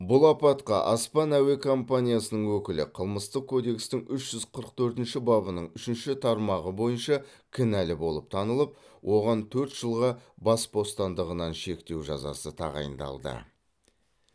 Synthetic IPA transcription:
bʊlˠɑpɑt̪qɑ̰ʔɑspɑnæwe̞kʰo̞mpanʲijasənəɴwɵkʲɪlɪqʰəlˠməst̪əq̚kʰːod̪e̞kst̪ɪŋʏʃʒ̥ʏzqʰəɾəqt̪ʰɵɾt̪ɪnʃɪbɑbənəɴʏʃɪnʃɪt̪ʰɑɾmɑʁəbo̞jənʃɑkʲʰɪnælɪbo̞lˠəp̚t̪ʰɑnəlˠəp̚wʔo̞ʁɑnt̪ʰɵɾt̪ʒ̥əlˠʁɑbɑsbo̞st̪ɑnd̪əʁənɑnʃe̞kt̪e̞wʒɑ̰zɑ̰sət̪ʰɑ̰ʁɑ̰jə̰nd̪ɑ̰lˠd̪ə̰

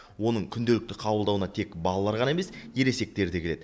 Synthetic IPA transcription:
wo̞nəɴkʲʰʏnd̪e̞lɪk̚t̪ɪqʰɑbəlˠd̪ɑwənɑt̪ʰe̞kbɑlˠɑlˠɑɾʁɑnɑe̞me̞sje̞ɾe̞se̞k̚t̪e̞ɾd̪ekʰʲele̞d̪ɪ

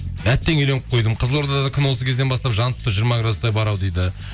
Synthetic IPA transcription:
æt̪ːe̞ŋele̞ŋqʰo̞jd̪əmqʰəzəlˠo̞ɾd̪ɑd̪ɑd̪ɑkʲʰʏnwo̞s̬ək̪ʲʰd̪enbɑst̪ɑpʒɑnʰʊ̥t̪ːəʒijəɾmɑɡɾad̪ʊst̪ɑjbɑɾɑwd̪ejd̪ɪ

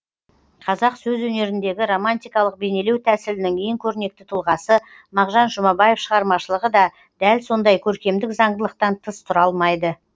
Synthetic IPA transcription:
qʰɑzɑqsɵzwɵne̞ɾɪnd̪e̞ɡʲɪɾo̞manʲt̪ijkɑlˠəq̚be̞ne̞le̞wt̪ʰæsɪlɪnɪŋʲʰejɪŋkʲʰɵɾne̞k̚t̪ɪ̥t̪ʰʊlˠʁɑsə | mɑʁʒɑnʒʊmɑbɑje̞fʃəʁɑɾmɑʃəlˠəʁəd̪ɑ | d̪̥ælso̞nd̪ɑjkʲʰɵɾkʲe̞md̪ɪkzɑɴd̪əlˠəq̚t̪ɑnt̪ʰəst̪ʰʊɾɑlˠmɑjd̪ə

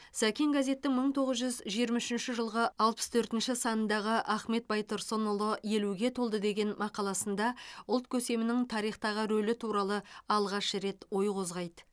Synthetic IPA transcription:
sækʲeŋɡaze̞t̪ːɪŋməɴt̪ʰo̞ʁəzʒʏzʒijɾmɑɪʃɪnʃɪʒəlˠʁəɑlˠpə̥st̪ʰɵɾt̪ɪnʃɪsɑnənd̪ɑʁəʔæχme̞t̪̚bɑjt̪ʰʊɾsonolˠoje̞luɡʲe̞t̪ʰo̞lˠd̪əd̪e̞ɡʲe̞nmʔɑqɑlˠɑsənd̪ɑʊlˠt̪̚kʲʰɵse̞mɪnɪŋt̪ʰɑɾijχt̪ɑʁəɾɵlɪt̪ʰuɾɑlˠəɑlˠʁɑʃəɾe̞t̪wo̞jqʰo̞zʁɑjd̪ə

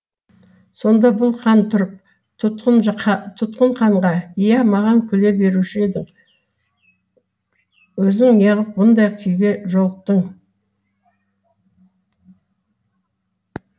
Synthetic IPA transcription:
so̞nd̪ɑbʊlˠqʰɑnt̪ʰʊɾəp̚ | t̪ʰʊt̪qt̪ʰʊt̪qəɴqʰɑɴʁɑijɑmɑʁɑŋkʲʰʏle̞be̞ɾuʃɪe̞d̪ɪŋ | wɵzɪŋjɑʁəp̚mʊnd̪ɑjqʲʰʏjɡʲe̞ʒo̞lˠq̚t̪əɴ

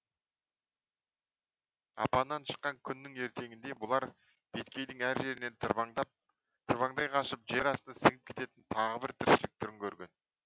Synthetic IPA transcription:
ɑ̰pɑnːɑnʃə̥qːɑŋkʲʰʏnːɪŋe̞ɾt̪e̞ɡʲɪnd̪e̞bʊlˠɑɾ | b̥et̪kʲʰe̞jd̪ɪŋæɾʒe̞ɾɪne̞np̚ | t̪ʰəɾβɑŋd̪ɑjqʰɑʃəpʒeɾɑsənɑsɪɡɪp̚kʲʰe̞̥t̪e̞t̪ɪnt̪ʰɑʁəbɪɾt̪ʰɪɾʃɪlɪk̚t̪ʰʏɾɪŋkʲʰɵɾɡʲe̞n

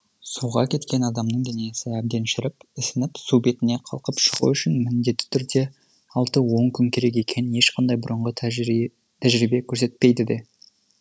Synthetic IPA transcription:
suʁɑkʲʰe̞t̪kʲe̞nɑd̪ɑmnəɴd̪enejesɪæb̚d̪e̞nʃɪɾɪpɪsɪnɪpsube̞t̪ɪne̞qʰɑ̰lˠqəpʃə̥ʁṵʏʃɪnmɪnd̪e̞t̪ːɪ̥t̪ʰʏɾd̪e̞ | ɑlˠt̪əwo̞ŋkʲʰʏŋkʲʰe̞ɾe̞k̬ʲe̞kʲʰe̞nɪnje̞ʃqɑnd̪ɑjbʊɾəɴʁə | t̪ʰæʒɾijbe̞kʲʰɵɾse̞t̪̚pe̞jd̪ɪd̪e̞

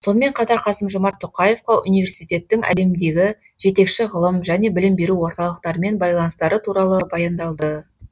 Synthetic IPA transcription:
so̞nəme̞ɴqʰɑt̪ɑɾqʰɑsəmʒomɑɾt̪ʰːoqɑje̞fqɑʔṵnijvʲe̞ɾsijt̪ʲe̞t̪ːɪŋæ̰le̞md̪e̞ɡʲɪ | ʒ̥e̞t̪e̞kʃɪʁəlˠəmʒæne̞bɪlɪmbe̞ɾuwo̞ɾt̪ɑlˠəq̚t̪ɑɾəme̞nbɑjlˠɑnəst̪ɑɾət̪ʰuɾɑlˠəbɑjɑnd̪ɑlˠd̪ə

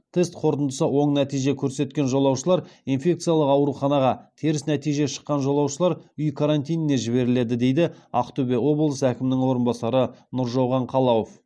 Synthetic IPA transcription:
t̪ʰe̞st̪qʰo̞ɾt̪ənd̪əsəwo̞ɴnæt̪ijʒe̞kʲʰɵɾse̞t̪kʲe̞nʒolˠɑwʃəlˠɑɾinfʲe̞k̚t̪sɨijalˠəqɑwɾuχɑnɑʁɑt̪ʰeɾɪsnæt̪ijʒe̞ʃə̥qːɑnʒolˠɑwʃəlˠɑɾʏjkʰaɾant̪ʲijnɪne̞ʒɪβe̞ɾɪle̞d̪ɪd̪e̞jd̪ɪɑ̰qt̪ube̞o̞bəlˠəsækʲɪmnɪŋwo̞ɾənbɑsɑɾənʊɾʒowʁɑɴqʰɑlˠɑwof

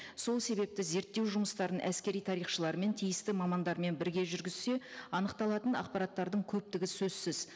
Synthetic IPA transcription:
so̞lˠse̞be̞p̚t̪ɪze̞ɾt̪ːe̞wʒʊməst̪ɑɾənʔæ̰skʲe̞ɾijt̪ʰɑɾijχʃəlˠɑɾme̞nt̪ʰijɪst̪ɪmɑmɑnd̪ɑɾme̞nbɪɾɡʲe̞ʒʏɾɡʲɪz̥se̞ɑnəqt̪ɑlˠɑt̪ənɑ̰qpɑɾɑt̪ːɑɾd̪əɴkʲʰɵp̚t̪ɪɡʲɪsɵzsɪz

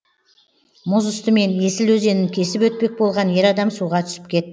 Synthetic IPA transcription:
mʊzʊst̪əme̞ne̞sɪlwɵze̞nɪŋkʲʰe̞sɪpwɵt̪̚pe̞k̚bo̞lˠʁɑnje̞ɾɑd̪ɑmsuʁɑt̪ʰʏ̥sɪ̥p̚kʲʰe̞t̪ː

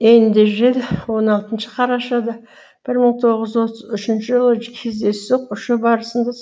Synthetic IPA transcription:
end̪eʒʏɾe̞d̪ɪwo̞nɑlˠt̪ənʃə̥qʰɑɾɑʃɑd̪ɑ | b̥ɪɾməɴt̪ʰo̞ʁəzwo̞t̪əzʏʃɪnʃɪʒəlˠəkʲʰe̞zd̪e̞sʒoq̚ʊʃəbɑɾəsənd̪ɑ

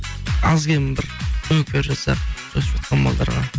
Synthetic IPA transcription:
ɑzɡʲemɪbɪɾɵkʲʰeɾʒɑsɑ̰ʒ̥ospʒɑt̪̚qʰɑnbɑ̰lˠd̪ɑ̰ɾʁɑ̰

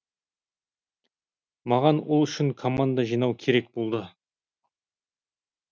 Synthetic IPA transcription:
mɑʁɑnwolˠʏʃɪŋkʰo̞mand̪aʒijnɑwkʲʰe̞ɾe̞k̚bo̞lˠd̪ə

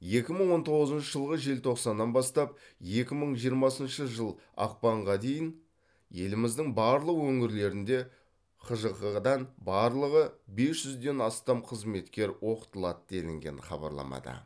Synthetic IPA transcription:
je̞kʲɪməɴwo̞nt̪ʰo̞ʁəzənʃəʒəlˠʁəʒe̞lt̪ʰo̞qsɑnːɑnbɑst̪ɑp̚je̞kʲɪməɴʒijəɾmɑsənʃəʒəlˠ | ɑ̰q̚pɑɴʁɑd̪e̞jɪn | je̞lɪmɪzd̪ɪŋbɑɾlˠəqwɵŋɪɾle̞ɾɪnd̪e̞ | qʰəʒəqəʁəd̪ɑnbɑɾlˠəʁəbe̞sʒ̥ʏzd̪e̞nɑst̪ɑmqʰəzme̞t̪kʲe̞ɾwo̞qə̥t̪əlˠɑt̪d̪e̞lɪŋɡʲe̞̰nχɑ̰bɑ̰ɾlˠɑ̰mɑ̰d̪ə̰

